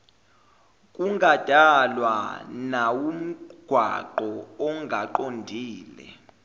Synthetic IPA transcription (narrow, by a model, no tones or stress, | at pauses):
kʼuŋad̥ʱalwa̰nawum̩ɡ̥ʱwa̰ǃɔɔŋɡʱaǃondʱiːlɛ̰